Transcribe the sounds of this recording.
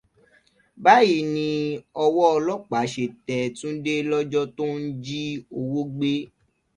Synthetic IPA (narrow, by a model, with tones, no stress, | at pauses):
ba˦ji˦nĩ˧ɔ˧wɔ˦ɔ˧lɔ˦k͡pa˨˦ʃe˨tɛ˨tũ˦n̩˦de˦lɔ˦d͡ʒɔ˦to˦n̩˦d͡ʒi˦o˧wo˦ɡ͡be˦